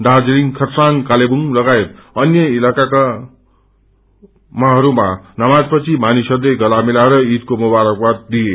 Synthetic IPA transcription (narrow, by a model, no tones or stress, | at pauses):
d̪ad͡zliŋkʰʌtsankalebuŋlʌɡaet̪̚ʌnjʌilakaka | maɦʌɾumanamad͡zpʌt͡sʰimanisʌrleɡʌlamilaɾʌit̪̚komubaɾʌk̚bat̪̚d̪ie